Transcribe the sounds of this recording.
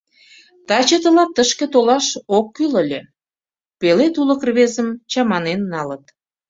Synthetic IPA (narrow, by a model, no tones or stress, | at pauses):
t̪ɑt͡ɕət̪əlɑt̪ːəʃkĕt̪olɑʃokːyləlʲe | pelet̪uləkrβezəmt͡ɕɑmɑnenːɑlət̪